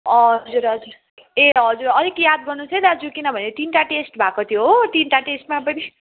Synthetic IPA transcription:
ʌɦʌd͡zuɾɦʌd͡zuɾ | eɦʌd͡zuɾʌɾikjad̪̚ɡʌrnut͡sʰed̪ad͡zukinʌbʱʌneʈ̪inʈaʈesʈbʱakot̪ʰjoɦoʈinʈaʈesʈmapʌni

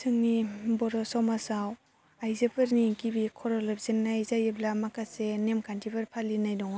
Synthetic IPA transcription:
sʰɯŋnibɔɾɔsɔmasaw | ajzepʰɯɾniɡibikʰɔɾɔlabzenːajzajɯblamakʰasenemkʰantʰipʰɯɾpʰalinajdɔŋa

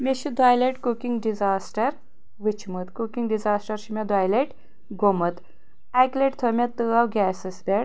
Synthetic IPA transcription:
meʃid̪aːjleʈkukiŋɡɖizaːsʈɐɾ | ʋit͡ʃʰmɨt̪kukiŋɡɖizaːsʈɐɾʃimʲɐd̪ajleʈ | ɡomɐt̪ | akleʈt̪ʰəmʲɐt̪ːɨawɡʲɛːsɐsbʲeɽ

